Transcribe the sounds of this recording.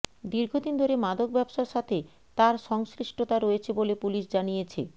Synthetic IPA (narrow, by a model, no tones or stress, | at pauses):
d̪iɾɡʱod̪ind̪ʱoɾemad̪ok̚bɛbʃaɾʃat̪ʰe | t̪aɾʃɔŋskɾiʃʈot̪aɾoet͡ɕʰebolepuliʃd͡ʑanijet͡ɕʰḛ